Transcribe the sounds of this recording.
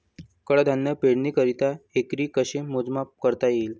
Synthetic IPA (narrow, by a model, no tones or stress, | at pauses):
kəɽəd̪ʱanːəpeɽniːkəɾit̪aekɾiːkəɕemod͡zmap̚kəɾt̪ajeːl